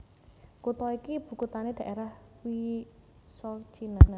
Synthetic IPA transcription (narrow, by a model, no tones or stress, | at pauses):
kut̪ɔikib̥ṳkut̪aned̪̥a̤ʔeɾahwi | sɔt͡ʃinaa